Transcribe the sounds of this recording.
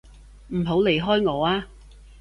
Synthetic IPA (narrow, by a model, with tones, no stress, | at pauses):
m̩˨˩ɦo˨˥wle˨˩jɦɔː˥jŋɔː˨˧aː˧